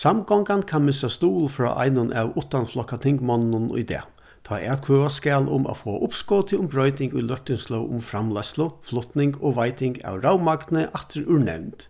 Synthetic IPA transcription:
samɡɔŋkankʰanmɪsast̪uːlfɾɔ̰ːʔa̰ɪnʊnʔæwʊht̪anflɔkːat̪ʰɪŋkmɔnnʊnʊ̰jd̪ɛ̰ː | t̪ʰɔːʔɛ̰t̪kʰøːʋaskɛːlʊ̰ma̰foːa̰ʔʊpskɔwt̪ʰɪʊmbɾœʏt̪ɪŋkʊjlœht̪ɪnslœwʔʊ̰mfɾamlaslʊflɔht̪nɪŋkoːʋaɪt̪ʰɪŋɡa̰wɾawmakt̪nəʔaht̪ɪɾʉɹnɛ̰wnt̪

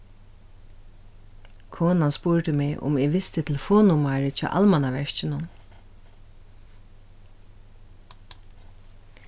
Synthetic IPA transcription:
kʰɔːnanspʊɹt̪ɪmɪʔʊ̰mɪʋɪst̪ɪt̪ʰɪlfɔːnʊmaɹɪt͡ʃʰa̰ːʔa̰lmanaʋɛɹt͡ʃɪnʊn

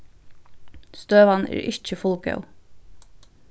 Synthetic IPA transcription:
st̪øːʋɑnḛːɹʔɪc͡çəfʊlɡɑ̰ʉ

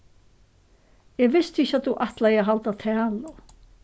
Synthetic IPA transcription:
jɛɣvɪst̪ɪçat̪uʔaht̪lajɛɣɦalt̪at̪ʰɛːla

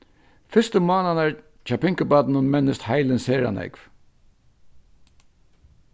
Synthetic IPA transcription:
fɪst̪əmɔːnanaɹ | t͡ʃapɪŋkəbaːt̪nʊnmɛnːɪst̪hajlɪnseːɹa̰nɛ̰kv

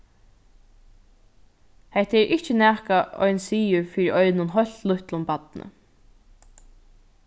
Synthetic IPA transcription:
hɛht̪ɛɾʔɪht͡ʃɪnæːkaʔɔ̰jnsiːʊɹfiːɾiʔɔjnʊnɦɔlʲt̪lʊht̪lʊmpat̪nə̰

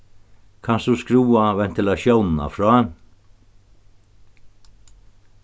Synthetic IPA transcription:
kʰansd̪uskɾuːaʋɛn̥t̪ɪlaʃjɔwnn̩a̰fɾɔːɛn

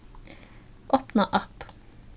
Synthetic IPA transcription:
ʔɔːpnɑʔɑp

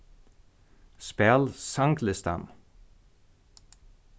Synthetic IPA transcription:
spælsɑŋkʰləst̪ɑ̰m

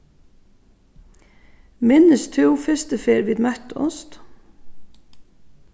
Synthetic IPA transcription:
mɪnəst̪ʰʉʊfɛst̪əfeːɾʋiːd̪mæt̪ɔ̰st̪

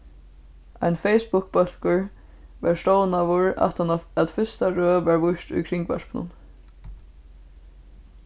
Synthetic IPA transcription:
a̰jnfejspʊk̚bœl̥kʊɹ | ʋɛɹst̪oːwnavʊɹa̰t̪ʰanaat̪fɪst̪aɹøːʋɛɹvʊʃt̪ʊ̰jkʰɾɪŋkva̰ʃpnʊ̰n

